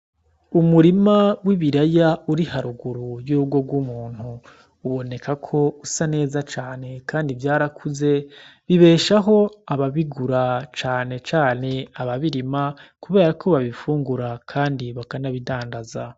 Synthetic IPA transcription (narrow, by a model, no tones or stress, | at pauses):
umuɾimawiβiɾajauɾihaɾuɡuɾujuːbɡo̞ɡwumuːn̥huː | βo̞ne̞kakʰo̞usane̞ːzat͡ʃaːne̞kaːndivjaːɾakʰuze̞βiβe̞ːʃaɦo̞aβaβiɡuɾat͡ʃaːne̞t͡ʃaːne̞aβaβiɾimakuβe̞ːɾakʰo̞βaβifuːŋɡuɾakʰaːndiβakanaβidaːndaza